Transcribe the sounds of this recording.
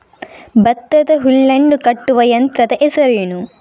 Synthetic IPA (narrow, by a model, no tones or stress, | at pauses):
bɐt̪ːɐt̪ɐɦulːɐɳɖukɐʈːuʋɐjɐnt̪ɾɐt̪ɐʔesɐɾjunu